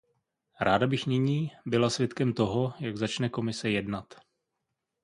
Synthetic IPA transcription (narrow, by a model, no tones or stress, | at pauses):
ɾaːdabɪxnɪɲiːbɪlasvjɛt̪kɛmt̪o̞ɦo̞jaɡzat͡ʃnɛko̞mɪsɛjɛdnat̪